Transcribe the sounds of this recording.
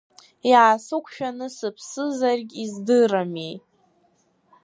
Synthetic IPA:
iʕasɨkʷʰʃᶣanɨsɨpʰsɨzarɡʲizdɨramej

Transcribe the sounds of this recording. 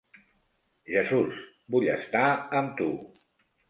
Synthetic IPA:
ʒəzus | buʎəst̪aəmt̪u

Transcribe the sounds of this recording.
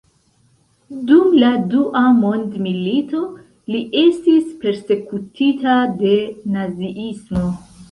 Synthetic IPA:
dumladuʔamo̞ndmilito̞ | liʔe̞stispe̞ɾse̞kutʰitade̞naziʔismo̞

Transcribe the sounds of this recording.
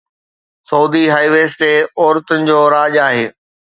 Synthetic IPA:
sɐːd̪iɦaːiʋeːsʈeɔːɾt̪ʊnɪ̆d͡ʑoːɾaːʄaːɦeː

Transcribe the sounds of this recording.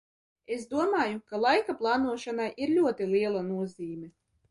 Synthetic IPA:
esd̪uɔmaːjukalˠajkaplˠɑːnuɔʃanajʔiɾlʲuɔt̪iliɛlˠanuɔziːmʲɛ

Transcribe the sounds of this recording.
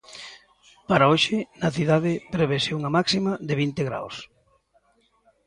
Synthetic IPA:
paɾaoʃɪnɐθiðaðɪpɾeβeseuŋamaksimaðeβ̞int̪eɣɾa̰ws

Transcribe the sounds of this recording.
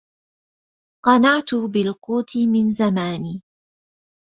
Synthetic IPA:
qɑnɑʕt̪ʊbɪlquːt̪ʰɪmɪnzamaːniː

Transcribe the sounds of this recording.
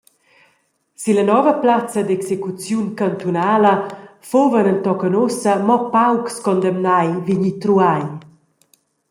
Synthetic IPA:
silənɔvəplat͡sɐd̪ɛksekut͡sjunkant̪unaːlə | fovənənt̪ɔkənosəmɔpawkskɔnd̪ɛmnajviɲit̪ɾuaj

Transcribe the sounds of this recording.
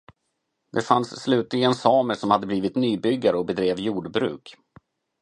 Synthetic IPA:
d̪̥ɛfansːlʉ̟ːt̪lɪɡənsɑːməʂɔmhad̪ːəbliːvɪt̪nyːbʏɡːaɾəɔbɛd̪ɾeːvjuːɖbɾʉ̟̰ːk

